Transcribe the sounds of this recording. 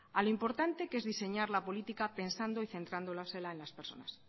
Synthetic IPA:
aloimpo̞ɾt̪ant̪e̞ke̞zðise̞ɲaɾlapo̞lit̪ikape̞nsand̪o̞iθẽ̞nt̪ɾand̪olaselaenlaspeɾso̞̰nas

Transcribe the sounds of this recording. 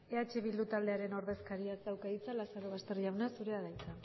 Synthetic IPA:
e̞at͡ʃe̞βild̪ut̪ald̪e̞aɾe̞no̞ɾðe̞skaɾiad̪awkait͡salasaɾo̞β̞ast̪e̞riawnasuɾe̞aðajt̪a

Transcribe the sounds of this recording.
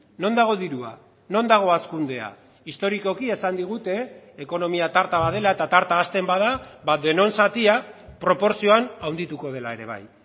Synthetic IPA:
no̞nd̪aɣ̞o̞ðiɾua̰ | no̞nd̪aɣ̞o̞askund̪e̞a̰ | ist̪o̞ɾiko̞kie̞sand̪iɣ̞ut̪e̞ːko̞no̞miat̪aɾt̪aβað̞e̞laet̪at̪aɾt̪aːst̪e̞mbaðabad̪e̞no̞nsat̪iapɾo̞po̞ɾsio̞anawnd̪it̪uko̞ð̞e̞lae̞ɾe̞β̞a̰j

